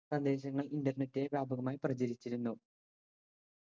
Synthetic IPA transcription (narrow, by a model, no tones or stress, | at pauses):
sɐnd̪e̞ːɕ̬ɐŋːɐɭindɐrne̞tːie̞ʋjaːbɐɣɐmaːjiprɐd͡ʑɐɾit͡ɕːiɾunːu